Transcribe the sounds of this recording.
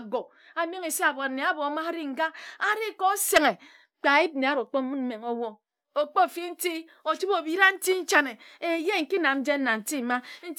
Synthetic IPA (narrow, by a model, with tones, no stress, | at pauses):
ɡo˨ | a˨me˦ŋe˨se˦a˨bo˨ne˨a˦bo˨˦ma˦ɾi˦ŋ̩˨ɡa˦a˦ɾi˦ko˦se˨ŋe˨ | k͡pa˨i˦b̚ne˨a˦ɾo˨k͡po˦mu˦n̩˦me˨ŋo˦wo˦ | o˨k͡po˦˨fi˦n̩˦ti˦ | o˨t͡ʃi˦bo˨bi˦ɾa˦n̩˦ti˦n̩˦t͡ʃa˦ne˨e˨je˦ŋ̩˨ki˦na˨mn̩˦d͡ʒe˦n̩˦na˨n̩˨ti˦˨ma˦n̩˦